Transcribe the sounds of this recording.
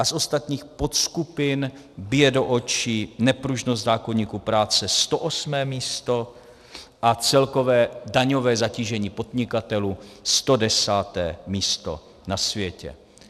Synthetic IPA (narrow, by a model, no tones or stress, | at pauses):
ʔasʔo̞st̪at̪ɲiːxpo̞t̪skupɪn | bɪjɛdo̞ʔot͡ʃɪnɛpɾuʒnost̪zaːko̞ɲiːkupɾaːt͡sɛst̪o̞ʔosmɛːmiːst̪o̞ | ʔat͡sɛlko̞vɛːdaɲo̞vɛːzaciːʒɛɲiːpo̞d̪ɲɪkat̪ɛluːst̪o̞dɛsaːt̪ɛ̰ːmiːst̪o̰ | nasvjɛcɛ̰